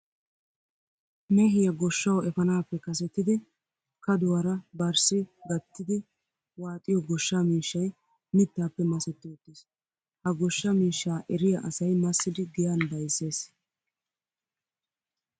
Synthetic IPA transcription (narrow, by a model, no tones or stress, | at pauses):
meːɦɪjɐɡɔʃːɐwɛfɐnaːpːɛkɐs̬ɛt̪ːɪd̪ɪ | kɐd̪ʊwɐɾɐbɐɾsɪɡɐt̪ːɪd̪ɪ | waːt̪ʼːɪjɔɡɔʃːamiːʃːɐj | mɪt̪ːaːpːɛmɐsɛt̪ːɪɔt̪ːis | hɐɡɔʃːɐmiːʃːaːʔɛɾɪjɐʔɐsɐjmɐsːɪd̪ɪɡɪjanb̪ɐjsːe̞ːs